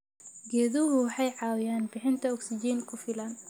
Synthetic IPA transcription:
ɡɛːðʊɦʊwɑħɑjʕɑːwɪjaːnbɪħɪnt̪ʰɐɔksɪd͡ʒiːnkʰʊfɪlɐn

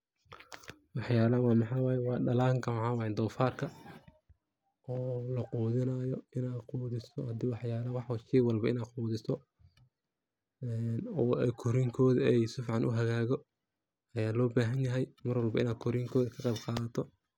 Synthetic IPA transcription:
wɑħjaːlɐwɑːmɑħɑwɑːjɛwɑːɖɐlaːŋkʰɐmʕɑːwɑɪnd̪ɔːfaːrkʰɐ | ʔɔːlɐquːðɪnɐjɔɪnaːd̪quːðɪsɔhɐd̪iːwɑħjaːlɐwɑħwʃiwɑlbɐɪnaːd̪quːðɪsɔ | ɛnɔːɛkʰɔɾɪŋkʰɔːðɛjsɪfʕɑnʔʊ̰ɦɐɣaːɣɔ | ɐjaːlɔːbaːɦɐnjɐɦɛjmɐrwɐlbɐɪnaːd̪̚kʰɔɾɪŋkʰɔːðɐkʰɐqɑbqɑːðɐt̪ʰɔ

